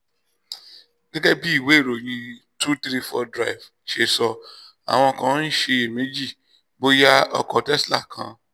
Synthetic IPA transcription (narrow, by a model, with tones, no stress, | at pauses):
ɡ̥e˦ɡɛ˦bi˦i˦˨we˨˦˨ɾo˨j̃ĩ˧ | tu˦t̪ɾi˦fɔ˧dɾa˦˨i˨v | ʃe˧sɔ˧ | a̰˨w̃ɔ̃˧kã˧˦n̩˦ʃe˧e˨mĩ˦d͡ʒi˦˨ | bo˦ja˦ɔ̰˧kɔ˧tɛ˦sla̰˦˨kʰã̰˨˦